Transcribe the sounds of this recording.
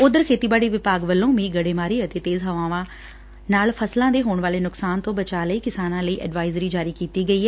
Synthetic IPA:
ʊd̪əɾkʰeːt̪iːbaːɽiːʋɪpaːɡʋəlːõːʋĩːɡəɽeːmaːɾiːət̪eːt̪eːzɦəʋãːʋãː | naːlpʰəslãːd̪eːɦoːɳʋaːleːnʊksaːnt̪õːbət͡ʃaːləiːkɪsaːnãːləiːʔɛ̰ːɖʋaːɪzɾiːd͡ʒaːɾiːkiːt̪iːɡəiːɦɛː

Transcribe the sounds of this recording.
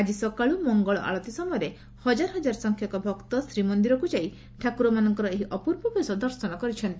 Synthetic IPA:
ad͡ʒisɔkaɭumɔŋɡɔɭɔ̰ʔa̰ɭɔt̪isɔmɔjɔɾe | hɔd͡ʒaɾɔɦɔd͡ʒaɾɔsɔŋkʰjɔkɔbʱɔkt̪ɔsɾimɔnd̪iɾɔkud͡ʒai | ʈʰakuɾɔmanɔŋkɔɾɔeɦiʔɔpuɾbɔbʱesɔd̪ɔɾsɔnɔkɔɾit͡ʃʰɔnt̪i

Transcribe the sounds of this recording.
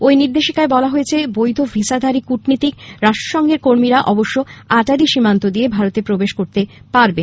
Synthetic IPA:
ojniɾd̪eʃikaebɔlaɦoet͡ɕʰebojd̪ʱofisad̪ʱaɾikuʈnit̪ikɾaʃʈɾoʃɔŋɡeɾkoɾmiɾaʔɔboʃːoaʈaɾiʃimant̪od̪iebʱaɾot̪epɾobeʃkoɾt̪epaɾben

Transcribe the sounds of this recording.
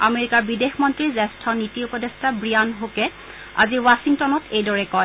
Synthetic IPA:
a̰meɹikaɹbidexmɔntɹizɛstʰɔnitiupɔdestʰabɹijanɦokɛ | a̰ziwasiŋtɔnɔtʰejdɔɹɛkɔj

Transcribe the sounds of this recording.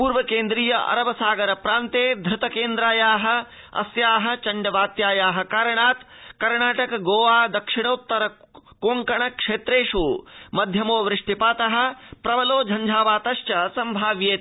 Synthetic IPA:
puːɾʋɐkeːnd̪ɾiːjɐʔɐ̰ɾɐʋɐsaːɡɐɾɐpɾaːnt̪eːd̪ʱɾɪt̪ɐkeːnd̪ɾaːjaːɦɐ̆ | ɐ̰sjaːɦɐ̆t͡ʃɐɳɖɐʋaːt̪jaːjaːɦɐ̆kaːɾɐɳaːt̪kɐɾɳaːʈɐkɐɡoːʋaːd̪ɐkʂɪɳɐut̪ːɐɾɐ | koːŋkɐɳɐkʂeːt̪ɾeːʂuːmɐd̪ʱjɐmoːʋɾɪʂʈipaːt̪ɐɦɐ̆pɾɐʋɐloːd͡ʒʱɐɲd͡ʒʱaːʋaːt̪ɐʃt͡ʃɐsɐmbʱaːʋjeːt̪

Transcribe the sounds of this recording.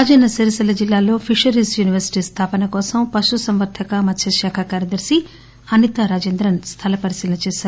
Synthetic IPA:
ad͡ʒɐːnɐsɐɾisɐlɐd͡ʒilːaːlo̞ːpʰiʂɐɾiːsjuːniʋɐɾsi̥ʈiːst̪ʰaːpɐnɐkɔːsɐmpɐʃusɐmʋɐɾt̪ʰɐkɐmɐt̪ːʃʰɐʃaːkʰakaːɾjɐd̪ɐɾsi | ɐnit̪ɐɾaːd͡ʒeːnd̪ɾɐnst̪ʰalɐpɐɾisiːlɐnɐt͡ʃeːsaːɾu

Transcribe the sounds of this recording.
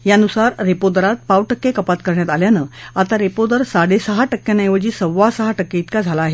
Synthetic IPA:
janusaɾɾepod̪əɾat̪̚pawʈəkːekəpat̪kəɾɳjat̪aljanəːat̪aɾepod̪əɾsaɽesəɦaʈəkːenəjʋəd͡ʑiːsəʋːasəɦaʈəkːeit̪kad͡zʱalaːɦe

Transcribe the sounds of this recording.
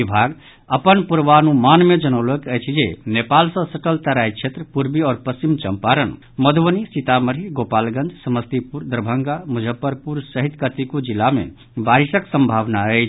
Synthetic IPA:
ibʱaɡ | əpənpuɾʋanumanmed͡ʒənələkət͡ʃʰid͡ʒenepalsə̃səʈəlt̪əɾait͡ʃʰet̪ɾəpuɾbiɔːɾpəst͡ʃimt͡ʃəmpaɾən | məd̪ʱʋənisit̪aməɾiɾɡopalɡə̃nd͡ʒsəməst̪ipuɾd̪əɾbʱəŋɡamud͡ʒʱəpːəɾpuɾsəɦit̪kət̪ikud͡ʒilːamḛ | baɾisəksə̃mbʱaʋnaəɪt͡ʃʰ

